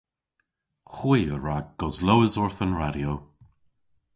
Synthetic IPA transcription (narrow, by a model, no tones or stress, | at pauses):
xwiːəɹaɡ̚ɡ̥ɔzlowəzɔɹθənɹaɾjo